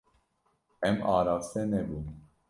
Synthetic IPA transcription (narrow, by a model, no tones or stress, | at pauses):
ɛmɑːɾɑvsɛnɛbum